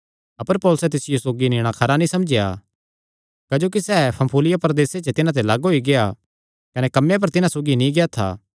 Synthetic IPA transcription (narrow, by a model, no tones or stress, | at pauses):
ɐpəɾpɔːlʊsɛt̪ɪsɪjosoːɡinɪːɽ̃akʰɐɾanĩsɐmd͡ʒɪja̰ | kɐd͡ʒoːkisɛːpʰɐ̃mpʰuːlɪjapɾɐd̪eːset͡ʃet̪ɪnãt̪̬elɐɡɦoiɡeja | kɐnekɐmːjap̬ɐɾt̪ɪnãsoːɡinĩɡejat̪ʰa̰ː